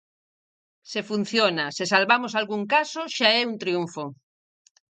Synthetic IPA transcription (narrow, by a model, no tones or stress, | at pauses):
sefun̟θjonasesalβamosalɣuŋkasoʃaɛunt̪ɾjuɱfo